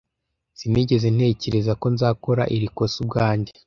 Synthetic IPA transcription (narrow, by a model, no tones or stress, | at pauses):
z̥iniɟe̞zen̥e̞ːce̞ɾe̞zako̞nzaːko̞ɾa̰ʔiɾiko̞sub̚ɡaːɲɟe